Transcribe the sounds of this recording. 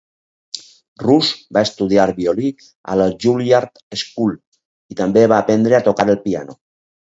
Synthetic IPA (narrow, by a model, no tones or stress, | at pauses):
ruzbaest̪uð̞iaɾβioli | a̰laʒuliaɾt̪eskul | it̪ambeβaːpend̪ɾeat̪okaɾelˠpia̰no